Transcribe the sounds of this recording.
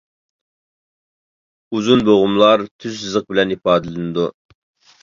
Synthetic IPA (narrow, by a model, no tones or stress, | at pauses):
uzunboʁʊmlˠɑɾt̪ʰyzsɨzəq̚bɪlɛnipɑːd̪ɨlɨnɨd̪u